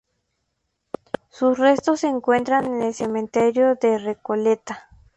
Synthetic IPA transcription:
susrest̪osːeːŋkwe̞nt̪ɾanenelsemẽnt̪eɾjoðerekolet̪a

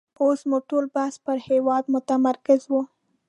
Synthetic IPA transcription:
osmuʈolbahspəɾhewɑd̪mʊt̪amaɾkɪzwu

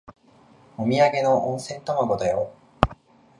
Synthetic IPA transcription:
omʲiaɡe̞noʔõɰ̃sẽ̞nt̪omoɡo̞d̪ajo

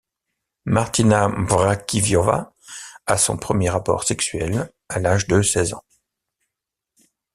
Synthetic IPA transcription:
maʁt̪inavʁakʲivjɔva̰ | asɔ̰̃pχəmjeʁapɔ̰ʁsɛksɥɛl | alaʒd̪əsɛzɑ̰̃

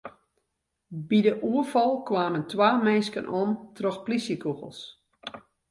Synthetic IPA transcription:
bidəʔuəfɔlˠkwaːməntwaːmɛnskənʔontrɔxplisjəkuɣəlˠs

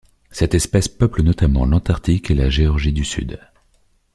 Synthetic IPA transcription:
sɛt̪ɛspɛspœplənɔt̪amɑ̰̃lɑ̃t̪aʁt̪ikelaʒeɔʁʒid̪ysy̰d̪

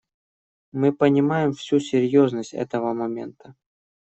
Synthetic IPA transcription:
mɨpənʲɪmajɪmfsʲusʲɪɾʲjoznəsʲtʲɛ̰t̪əvəmɐmʲe̞̰nt̪ə

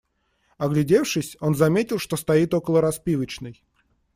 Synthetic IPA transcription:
ɐɡlʲɪdʲe̞fʂɨsʲo̞nzɐmʲetʲɪlˠʂt̪o̞st̪ɐit̪o̞kəlˠəɾɐspʲivət͡ɕnɨj

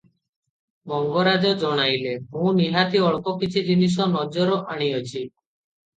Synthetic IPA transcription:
mɔŋɡɔɾad͡ʒɔd͡ʒɔɽ̃ajleɦũniɦat̪iɔɭkɔkit͡ʃʰid͡ʒinis̬ɔnɔd͡ʒɔɾɔʔaɽ̃iɔt͡ʃʰi

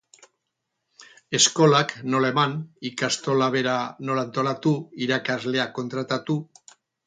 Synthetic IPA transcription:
e̞sko̞lakno̞laemanikast̪o̞laβ̞e̞ɾano̞lant̪o̞lat̪uiɾakazle̞ako̞nt̪ɾat̪at̪u

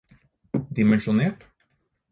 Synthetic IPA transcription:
d̪ɪmɛnʃʊneːʈ

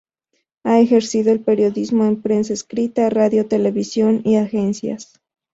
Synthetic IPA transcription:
ae̞xe̞ɾsiðoelpe̞ɾjo̞ðizmo̞empɾe̞ns̬aeskɾit̪araðjo̞t̪e̞le̞βisjo̞niaxensja̰s

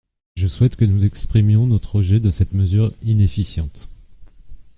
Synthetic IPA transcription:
ʒəswɛt̪kənuzɛkspχimjɔ̃nɔt̪χɔʒɛd̪əsɛt̪məzyʁinefisjɑ̃t̪

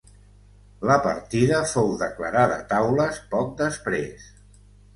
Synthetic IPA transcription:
ləpə̰ɾt̪iðəfowðəkləɾaðə̰t̪awləspɔk̚d̪əspɾḛs

